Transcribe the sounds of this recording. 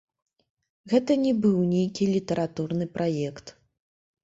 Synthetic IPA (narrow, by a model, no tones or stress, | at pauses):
ɣɛt̪ɐnʲɛbɨwnʲejkʲilʲit̪ɐɾat̪urnɨpɾajɛkt̪